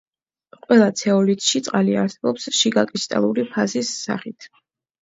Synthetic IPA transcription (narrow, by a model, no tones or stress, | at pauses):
qʼwɛlˠat̪sʰɛɔlit̪ʼʃit̪sʼqʼaliaɾsɛbɔpsʃiɡakʼɾist̪ʼa̰lˠuɾipʰazisːa̰χit̪ʰ